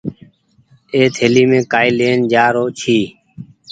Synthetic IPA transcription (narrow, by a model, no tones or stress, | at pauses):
eːt̪ʰeːliːmẽːkaːiːleːnd͡ʒaːɾoːt͡ʃʰiː